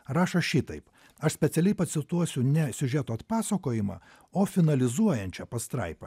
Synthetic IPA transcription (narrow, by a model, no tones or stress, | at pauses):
ɾɑːʃɐʃʲɪt̪ɐɪp | ɐʃsʲpʲɛt̪sʲɛlʲɛɪpɐt̪ʲsʲɪt̪uɔsʲʊnʲɛsʲʊʒʲɛt̪oːɐt̪pɑːsɐkoːjɪmɑ̰ː | oːfʲɪnɐlʲɪzuɔjɛnʲt͡ʃʲɛpɐst̪ɾɐ̰ɪpɐ